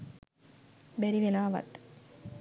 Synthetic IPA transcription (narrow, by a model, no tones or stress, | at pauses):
bɛɾiʋelaːʋɐ̰t̪